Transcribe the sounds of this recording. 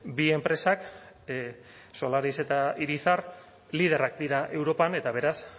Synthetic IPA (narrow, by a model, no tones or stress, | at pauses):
bie̞mpɾe̞sak | so̞laɾise̞t̪aiɾisar | lið̞e̞rakd̪iɾaʔe̞wɾo̞pane̞t̪aβ̞e̞ɾas